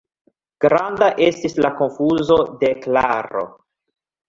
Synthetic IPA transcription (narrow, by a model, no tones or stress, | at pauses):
ɡ̥ɾandaʔe̞stislako̞nfuzo̞de̞klaɾo̞̰